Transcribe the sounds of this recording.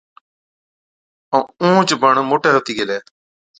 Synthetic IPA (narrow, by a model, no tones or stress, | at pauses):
õũːt͡ʃbəɳmoːʈɛːɦoːt̪iːɡelɛː